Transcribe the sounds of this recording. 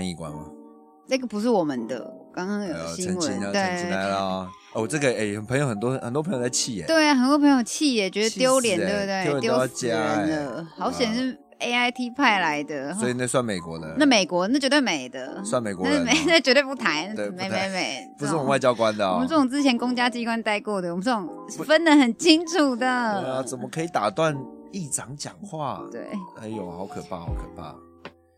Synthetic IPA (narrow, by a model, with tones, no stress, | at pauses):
a˧˦ŋi˨˩kwa̰˦˥nmɐ̰˨ | na˥˩ɡə˩pu˧˥ʂ̬ɻ̩˥˩wɔ˨˩mə˨nd̪ə̰˩kɑ˥ŋkɑ˥ŋjo˨˩˨ɕi˥ə˧˦wəi˧˦n˧t̪we˥˩ɪi˥la˧˦ɪlə˧˦ | o˥˩ʈ͡ʂə˥˩ɡə˩e˥˩ɪə˨pʰə˧˦ŋjo˧ʊxə˨˩nt̪wɔ˥xə̰˨˩nt̪wɔ˥pʰə˧ŋjo˧˩t͡sa˥˩ɪt͡ɕʰi˥˩ɛ̰˦t̪we˥˩ɪa˨˩xə˨˩nt̪wpʰə˧˥jo˧˥˩t͡ɕʰi˥˩ɛ˨˩t͡ɕɥɛ˧˥d̪ə˧t̪jo˥ʊljɛ˧˦nt̪we˥˧t̪we˥˩ɪj̪joo˥ʊ˥˦˥t͡ɕja˥˨d̪ə˧hɑ˧˥˦ʊɕjɛ˨˩nʂɻ̩˥˩ | e˥ɪa˥ɪt̪ʰi˥pʰa˥˩ɪla˧˦ɪd̪ə˧swɔ˧˥i˨˩na˥˩swa˥˩nme˨˩ɪkwɔ̰˨˦d̪ə̰˧na˥˩me˨˩ɪkwɔ˧˥na˥˩t͡ɕjt̪we˥˩ɪme˨˩ɪd̪ə˦swa˥˨nme˨˩kwɔ˧˦˥me˨na˥˩t͡ɕɥɛ˧˥t̪wp̬u˥˩t̪ʰa˨˦ɪn˥t̪e˥˨me˧˦me˧˥me˨˩˦ɪpu˧˦s̩˥˩˨wa˥˩ɪt͡ɕjɑ˦˥ʊkwa˦nd̪ə˨mə˧˦t͡sə˥˩ʊ˨ŋt͡sɹ̩˦˥t͡ɕʰjɛ˧˥nkʊ˥ŋt͡ɕja˥t͡ɕi˥kwa˦˥nt̪a˥˧ɪkwɔ˥˩d̪ə˩wɔ˨mə˦nt͡sə˥˩ʊ˨˩ŋfə˦nlə˨hə˨˩nt͡ɕʰi˦˥ŋʈ͡ʂʰu˨˩d̪ə˨˦˥t͡sə˨˩mə˦kʰɤ˧˥i˨˩t̪a˨˩t̪wa˥˨ni˥˩ʈ͡ʂɑ˨˧˦ŋt͡ɕjɑ˨˩ŋxwa˥˨t̪wḛ˥˩ɪa˧˥ɪjo˨˩hɑ˨˧˥ʊkʰə˨˩pʰa˥˩xɑ˨˧˥ʊkʰɤ̰˨˩pʰa̰˥˩